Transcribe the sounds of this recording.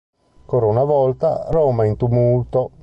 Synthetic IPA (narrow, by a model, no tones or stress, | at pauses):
kɔːɾaunavɔlt̪a̰ɾoːmaint̪umult̪o